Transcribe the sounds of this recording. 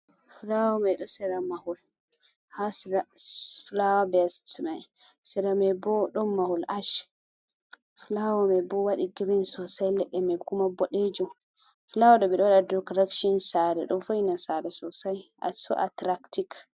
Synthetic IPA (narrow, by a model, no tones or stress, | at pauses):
flawɔmɛɗɔsɛɾamahul | has | flawabɛstmasɛɾamɛbɔɗɔmːahulaʃ | flawɔmɛbɔwaɗiɡiɾinsɔsajlɛɗːɛmɛkumabɔɗed͡ʒum | flawɔɗɔɓɛɗɔwaɗadɔkɾakʃɔnsaɾɛ̰ɗɔnfoinasaɾɛsɔsajʔa̰sɔ̰ʔa̰tɾaktik